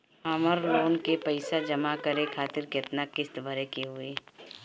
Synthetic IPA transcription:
aməɾloːnkepəɪsad͡ʒɐmakəɾekʰaːt̪ɪɾkɪt̪nakɪst̪bʱəɾekeɦʊeː

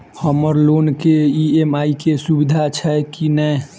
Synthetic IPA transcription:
həməɾlonkeiemaikesubid̪ʱat͡ʃʰɛkinɛ

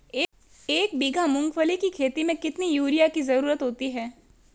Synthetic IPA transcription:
eː | eːk̚biːɡʱamʊ̃ŋɡfəlikikʰeːt̪imẽkɪt̪nijuːɾjakizɐɾuːɾət̪ɦoːt̪iɦɛː

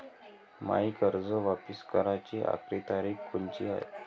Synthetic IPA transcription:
ma̰ikəɾd͡zəʋapiskəɾat͡ɕiːʔa̰kɾit̪aɾiːkkunt͡ɕḭːa̰ḛ

